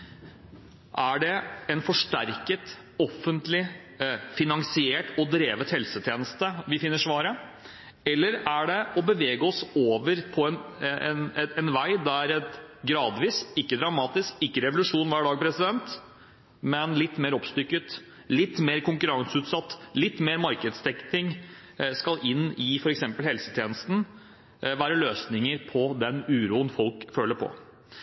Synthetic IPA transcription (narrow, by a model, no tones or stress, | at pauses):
ʔæɖɛɛnfɔʂʈæɾkət̪ | ɔfːənt̪lɪ | fɪnɑŋsɪeːʈɔd̪ɾeːʋət̪hɛlsət̪ʰjeːnəst̪əʋɪfɪnːəʂʋɑːɾə | ɛlːəɾæɖɛɔbəʋeːɡəɔsoːʋəɾpʰɔɛnɛnɛnʋæɪd̪æɾɛt̪ɡɾɑːd̪ʋiːsɪkːəd̪ɾɑmɑːt̪ɪskɪkːəɾɛʋʊlʉʂuːnʋæːɖɑːɡ̚pʰɾɛsɪd̪ɛnt̪ | mɛnlɪt̪ːmeːɾɔpst̪ʏkːət̪ | lɪt̪ːmeːɾkʊŋkʉɾɑŋsʉːt̪sɑt̪ːlɪt̪ːmeːɾmɑɾkəd̪st̪ʰɛkt̪ɪŋskɑlʔɪnːɪfɔɾɛksɛmpəlhɛlsət̪ʰjeːnəst̪n̩ | ʋæːɾəløːsnɪŋəɾpʰɔd̪ɛnʉːɾuːənfɔlkføːlːəɾpʰɔ̰